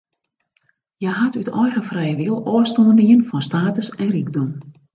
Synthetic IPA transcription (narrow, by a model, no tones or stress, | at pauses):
jɛɦatytʰɔjɣəfrɛjəʋilˠoəstoəndiənfɔnstaːtəsɛnriɡdɔm